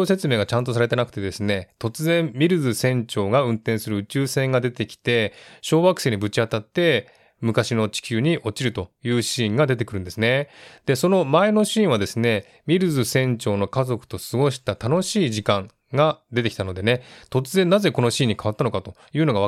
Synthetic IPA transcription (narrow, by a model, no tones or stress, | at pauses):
oːse̞t͡sɨme̞ːɡat͡ɕãnt̪̬o̞s̬aɾe̞t̪enakɯ̟̥t̪e̞d̪e̞sɨne̞t̪o̞t͡sɨzẽ̞mmʲiɾɯ̟zɨsẽ̞ɲt͡ɕo̞ːɡaɯ̟̃nt̪ẽsɨɾɯ̟ɯ̟t͡ɕɨːsẽ̞ŋɡad̪e̞t̪e̞kʲi̥t̪e̞ɕo̞ːβakɯ̥se̞ːɲ̟ibɯ̟t͡ɕiat̪at̪ːe̞ | mɯ̟kaɕino̞t͡ɕi̥kʲɨːɲ̟iʔo̞t͡ɕiɾɯ̟t̪o̞jɯ̟ːɕĩːŋɡad̪e̞t̪̬e̞kɯɾɯ̟̃nd̪e̞sɨne̞d̪̥e̞so̞no̞mae̞no̞ɕĩːβad̪e̞sɨne̞ | mʲiɾɯ̟zɨsẽ̞ɲt͡ɕo̞ːno̞kazo̞kɯ̟̥t̪o̞sɨɡo̞ɕi̥t̪at̪ano̞ɕiːʑikãŋ | ɡad̪et̪e̞kʲi̥t̪ano̞d̪e̞ne̞t̪o̞t͡sɨzẽ̞nːaze̞ko̞no̞ɕĩːɲ̟ːikaβat̪ːano̞kat̪o̞jɯ̟ːno̞ɡaβa